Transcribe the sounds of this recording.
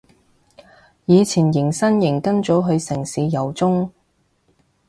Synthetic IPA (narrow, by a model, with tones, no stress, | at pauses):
jiː˨˧t͡sʰiː˨˩njɪ˨˩ŋsɐ˥njɪ˨˩ŋkɐ˥nt͡so˨˥wɦɵ˨˧ɥsɪ˨˩ŋsiː˨˧jɐ˨˩wt͡sʊ˥ŋ